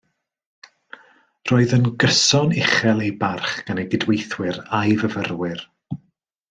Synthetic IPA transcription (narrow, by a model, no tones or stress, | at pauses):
roːɨðənɡəsɔnɪχɛlˠejbarχɡ̥aneɡɪdwejθwɪɾajvəvərwɪr